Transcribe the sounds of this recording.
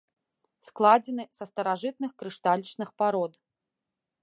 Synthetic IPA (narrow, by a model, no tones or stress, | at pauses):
sklˠad͡zʲɛnɨsɐst̪ɐɾaʐɨt̪̚nɨxkɾɨʂt̪alʲt͡ʂnɨxpaɾɔd̪